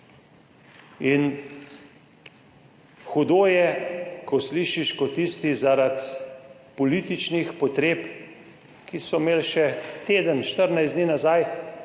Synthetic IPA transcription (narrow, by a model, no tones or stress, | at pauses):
in | xɔd̪oːjɛkʰɔsliːʃiʃkɔt̪ːist̪izaɾat̪ | pɔliːt̪it͡ʃnixpɔt̪ɾeːp | kisɔmeːlʃɛt̪eːd̪ənʃt̪əɾnajzd̪niːnazaj